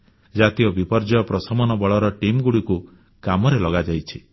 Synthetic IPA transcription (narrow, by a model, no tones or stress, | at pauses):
d͡ʒat̪ijɔbipɔɾd͡ʒɔjɔpɾɔsɔmɔnɔbɔɭɔɾɔʈimɡuɽiku | kamɔɾelɔɡad͡ʒajt͡ʃʰi